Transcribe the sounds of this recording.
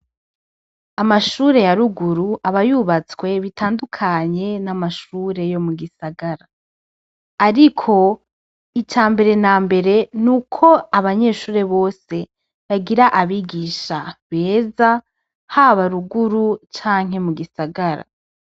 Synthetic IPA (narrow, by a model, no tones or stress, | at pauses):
amaʃuːɾe̞jaɾuɡuɾuʔaβajuβat͡swe̞βitʰaːndukʰaɲe̞namaʃuːɾe̞jo̞muɡisaɡaɾaː | ɾikʰo̞ | it͡ʃaːmbe̞ɾe̞naːmbe̞ɾe̞nukʰo̞aβaɲe̞ːʃuːɾe̞βo̞ːse̞ | βaɡiɾaʔaβiɡiʃaβe̞ːza | haβaɾuɡuɾut͡ʃaːŋ̥ɦe̞muɡisaɡaɾa̰